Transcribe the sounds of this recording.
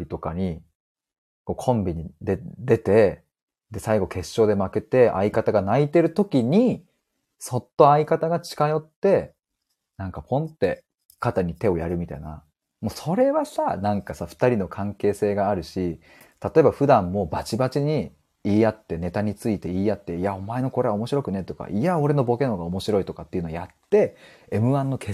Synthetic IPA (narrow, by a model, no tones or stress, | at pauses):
bʲit̪o̞kaɲ̟i | ko̞ːkʰõ̞mbʲiɲ̟id̪ed̪e̞t̪e̞ | d̪e̞saiɡo̞ke̞ɕːo̞ːd̪e̞make̞t̪e̞ʔa̰ikat̪aɡanait̪e̞ɾɯ̟t̪o̞kʲiɲ̟i | so̞t̪ːo̞aikat̪aɡat͡ɕi̥kajo̞t̪ːe̞ | nãŋkapʰõ̞nt̪e̞ | kat̪aɲ̟it̪e̞o̞jaɾɯ̟mʲit̪a̰ina̰ | mo̞so̞ɾe̞βasanãŋkasaɸɯ̟̥t̪aɾʲino̞kʰãŋke̞ːse̞ːɡaːɾɯ̟ɕi | t̪at̪o̞e̞baɸɯ̟d̪ãmːo̞bat͡ɕibat͡ɕiɲ̟i | iːjat̪ːe̞ne̞t̪aɲ̟it͡sɨit̪e̞iːjat̪ːe̞iao̞mae̞no̞ko̞ɾe̞ao̞mo̞ɕiɾo̞kɯ̟ne̞t̪o̞ka̰ʔiao̞ɾe̞no̞bo̞ke̞no̞ɡaomo̞ɕiɾo̞it̪o̞kat̪ːeiɯ̟noojat̪ːe̞emɯ̟ãnːo̞kʰe